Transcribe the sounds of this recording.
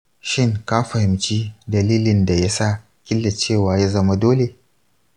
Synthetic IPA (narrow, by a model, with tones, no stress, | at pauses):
ʃɪ˦˨ŋkaː˦ɸɐ˨hɪ˨mt͡ʃiː˦dɐ˨liː˦lɪ˨nda˨ja˦sa˦˨ | kʲɪ˦lːa˨t͡ʃeː˦˨waː˦ja˦zɐ˦ma˦doː˦le˨